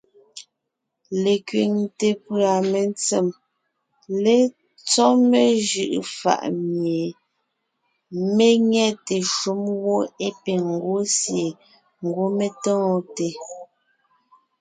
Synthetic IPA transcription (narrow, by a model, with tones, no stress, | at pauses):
le˨kɥi˨ŋte˨pɰa˨me˨nt͡se˨m | le˦ | t͡sɔ˦me˦ʒɯ̰˨ʔfa̰˨ʔmje˨ | me˦ŋɛ˦te˨ʃu˦mwo˦e˦pe˨ŋ̩˨ɡwo˦sje˨ | ŋ̩˨ɡwo˦me˦tɔ̃ː˦˨te˨